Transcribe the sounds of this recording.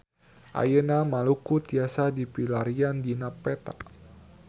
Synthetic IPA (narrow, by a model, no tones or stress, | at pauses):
ʔa̰jənamalukut̪iasadipilaɾiandinapɛt̪a̰